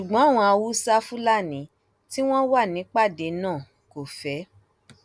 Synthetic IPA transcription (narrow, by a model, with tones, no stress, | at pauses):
ʃu˨ɡ͡bɔ̃˨˦a˦˨w̃ɔ̃˧a˧wu˦sa˦fu˦la˦˨nĩ˨˦ | ti˦w̃ɔ̃˦wa˦˨nĩ˨˦k͡pa˦˨de˧nãː˦˨ | ko˨fɛ˨˦